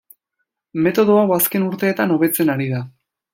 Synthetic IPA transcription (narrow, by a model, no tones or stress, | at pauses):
me̞t̪o̞ð̞oawaske̞nuɾt̪e̞ːt̪ano̞β̞e̞t͡se̞naɾiða